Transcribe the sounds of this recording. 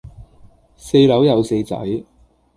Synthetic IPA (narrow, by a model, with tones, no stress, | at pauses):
se˧jlɐ˨˥wjɐ˨˧wse˧jt͡sɐ̰˨˥j